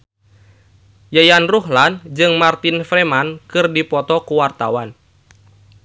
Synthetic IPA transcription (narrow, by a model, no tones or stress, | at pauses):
jajanruɦland͡ʒɨŋmart̪infɾɛmankɨrdipɔt̪ɔkuwart̪a̰wan